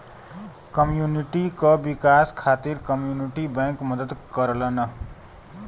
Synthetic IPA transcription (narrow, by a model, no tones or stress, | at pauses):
kəmjuniʈikʌbikaskʰat̪iɾkəmjuniʈibəŋkmʌd̪əd̪kʌɾlənʌ